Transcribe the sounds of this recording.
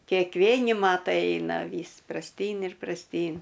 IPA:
kʲeːkˈʋʲeːnʲɪ ˈmɑːtɐɪ ˈɐɪnɐ ˈʋʲiːs prɐsʲˈtʲiːn ɪr prɐsʲˈtʲiːn

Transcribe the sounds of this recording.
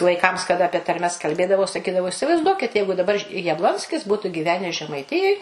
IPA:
ʋɐɪˈkɐms kɐˈdɐ ɐpʲiɛ tɐrʲˈmʲɛs kɐlʲˈbʲeːdɐʋɐʊ sɐˈkʲiːdɐʋɐʊ ɪsʲɪʋɐɪzˈduɔkʲɪt ˈjɛɪɡʊ dɐˈbɐr jɛbˈlˠoːnʲsʲkʲɪs ˈbuːtʊ ɡʲiːˈʋʲæːnʲɛs ʒʲɛmɐɪˈtʲɪjoːj

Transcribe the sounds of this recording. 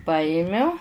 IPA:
ˈpɑːjɪmʲʊ

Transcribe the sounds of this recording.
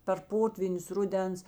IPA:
pʲɛr ˈpoːtʲʋʲiːnʲʊs ˈrʊˌdʲɛns

